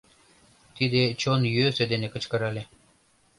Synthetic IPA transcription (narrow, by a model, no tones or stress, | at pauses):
t̪id̪et͡ɕonjøsød̪enekə̆t͡ɕkɤ̆ɾɑlʲe